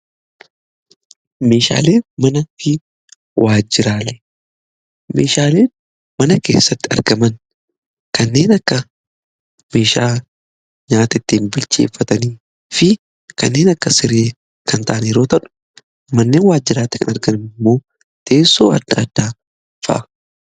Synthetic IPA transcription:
me̞ːʃa̰ːle̞ːmɐnɐfɪ | wʔaːd͡ʒːɪɾaːle | me̞̰ːʃaːle̞ː | mɐnɐke̞̰ːsːɐt̪ːɪɐ̰ɾɡɐmɐn | kɐnːe̞ːnɐkːɐ | me̞ːʃaː | ɲaːt̪ɐɪt̪ːiːnbɪlt͡ʃḛːfːɐt̪ɐniː | fɪ | kɐ̰nːe̞ːnɐkːɐsɪɾeː | kɐnt̪ʰaʔɐniːɾo̞ːt̪ɐᶑʊ̥ | mɐnːe̞ːnwaːd͡ʒːɪɾaːt̪ːɪ̥kɐnɐɾɡɐnɪnɪmːo̞ː | t̪e̞ːsːo̞ːɐ̰d̪ːa̰ːd̪̥ːaː | fɐ̰ʔɐ

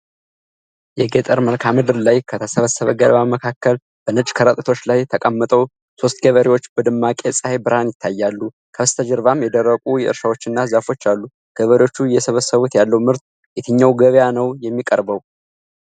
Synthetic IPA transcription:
jɛɡet̪ʼəɾməlkʰamɨd̪ɨɾlajkʰət̪ʰəsəβəsːəβəɡəlbaməkʰakːəl | b̥ənɨt͡ʃʼkʰəɾət̪ʼə̥t̪ʰo̞t͡ʃːlajt̪ʰəkʼəmːət̪ʼəw | so̞st̪ɡəβəɾiwo̞t͡ʃːbəd̪ɨmːakʼesʼəhebɨɾhanjɪt̪ʰːajːalːu | kʰəst̪ʰəd͡ʒəɾvamjɛd̪ərːəkʼujɛʔɨɾʃawo̞t͡ʃːɨnːazafo̞t͡ʃːalːu | ɡ̥əβəɾiwo̞t͡ʃːujɛsəβəsəβut̪jalːəwmɨɾt̪ | jɛt̪ʰɨɲːawɡəβjanəwjɛmːikʼəɾbəw

